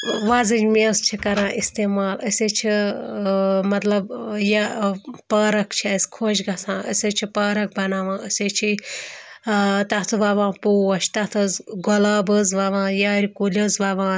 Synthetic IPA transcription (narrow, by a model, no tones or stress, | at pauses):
ʋazɨd͡ʒmest͡ʃʰikɐɾãːʔist̪eːmaːləsʲet͡ʃʰi | mɐt̪lɐbjapɐːɾɐkt͡ʃʰɐsʲkʰoːʃɡɐsãːəsʲɐt͡ʃʰipɐːɾɐk̚bɐnaːʋãːʔəsʲet͡ʃʰi | t̪ɐt̪ʰɨʋɐʋãːpuːɐʃʰt̪ɐt̪ʰɨzɡɔlaːbɨzʋɐʋãːjaːɾʲikulʲɐzʋɐʋãː